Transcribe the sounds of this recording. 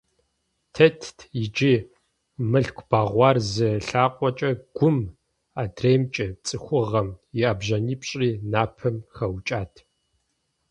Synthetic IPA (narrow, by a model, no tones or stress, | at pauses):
tʰɐtʰjɪd͡ʒi | mɨɬkʷʰʼb̥aːʁʷɑːrzɨɬaːqʷʼɔt͡ʃʼɐɡ̥ʷʊm | adreːmt͡ʃʼɐt͡sʼɨxʷʊʁɐmjɪabʑɐniːpɕʼriːnaːpʰɐmxɐwt͡ʃʼaːtʰ